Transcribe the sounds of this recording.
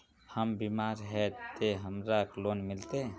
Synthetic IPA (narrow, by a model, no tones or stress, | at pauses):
həmbimaɾɦɛt̪eɦəmɾakloːnmɪlt̪e